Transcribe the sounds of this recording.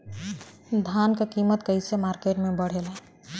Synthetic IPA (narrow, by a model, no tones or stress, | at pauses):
d̪ʱankekimət̪kəjsemaɾkeɾmebəɽ̤ela